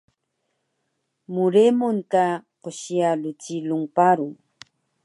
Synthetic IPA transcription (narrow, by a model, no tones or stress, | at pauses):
mʊɾemʊnt̪aqoʃialʊt͡ʃilʊŋpaɾʊŋ